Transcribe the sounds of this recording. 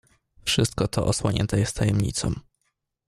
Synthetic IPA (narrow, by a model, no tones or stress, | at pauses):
fʂɘst̪̚kɔt̪ʰɔʔɔswɔɲɛ̰nt̪ɛjɛst̪t̪ajɛmɲḭt̪sɔ̰̃m